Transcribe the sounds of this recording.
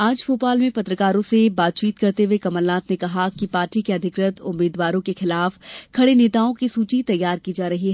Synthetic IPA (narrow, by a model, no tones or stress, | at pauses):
ãːt͡ʃbʰoːpaːlmẽpɐt̪ɾəkaːɾõsebaːt̪̚t͡ʃiːt̪kɐɾt̪ewekɐməlnaːt̪nekɐɦakipaːɾʈikeɐd̪ʱɪkɾət̪ʊmːeːd̪ʋaːɾõkexɪlaːfkʰɐɽeneːt̪aːõkisuːt͡ʃit̪ɐjːaːɾkid͡ʒaːɾɐɦiɦɛ